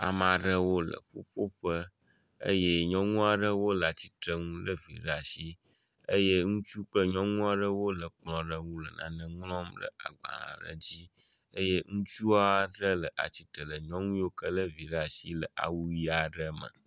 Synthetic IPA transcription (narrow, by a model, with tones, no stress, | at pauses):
a̰˨mã˨ɖə˦wo˦lə̰˨ɸo̰˦ɸo˦ɸə˦ | ə̰˦je˦ɲɔ̃˦ŋũ˦a˨ɖə˦wo˦lə˨a˨t͡ɕi˦t̪ɾə˦ŋũ˦lə˦vḭ˨ɖa˨si˦ | ə˦je˦ŋũ˦t͡ʃu˦k͡plə˦ɲɔ̃˦ŋũ˦a˦ɖə˦wo˦lə˨k͡plɔ̃˨ɖə˦ŋũ˦lə˨nã̰˦nə̃˦ŋlɔ̃˦mɖə̰˦a̰˨ɡ͡bã̰˨lã̰˨ɖə̰˨d͡ʑi˦ | ə˦je˦ŋũ˦t͡ʃu˦a˦ɖə˦lə˨ʔa̰˨t͡ɕi˦t̪ə˨lə˨ɲɔ̃˦ŋũ˦jo˦kə˦lə˦vi˨ɖa˨si˦lə˨ʔa̰˨wu˦ji˦a˨ɖə˦mə̰̃˨